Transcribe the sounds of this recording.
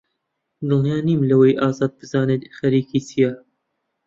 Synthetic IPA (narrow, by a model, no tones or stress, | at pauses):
d̪ɨljaːniːmlɐwejʔaːzɑːd̪̚bɨzaːnet̪xɐɾiːkiːsijaː